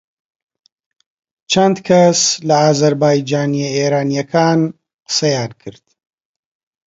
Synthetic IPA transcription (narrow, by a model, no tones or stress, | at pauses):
t͡ʃʰɐnd̪kʰɐslɐaːzɐɾbaːjd͡ʒaːnijeeːɾaːnijɐkʰaːn | qɨ̥sɐjaːnkʰɨɾd̪̥